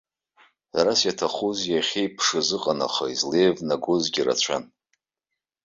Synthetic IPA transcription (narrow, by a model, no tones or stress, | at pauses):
aɾasjatʰaχuzjaχʲejpʰʂɨzɨqʼana̰χaizlejvnaɡʷʊzɡʲira̰t͡ɕʷʰa̰n